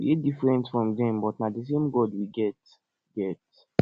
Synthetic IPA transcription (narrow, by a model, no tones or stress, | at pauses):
iedifɹɛ̃ntfɹɔ̃mdɛ̃mbɔtnadis̬ẽmɡɔdwiɡɛt | ɡɛt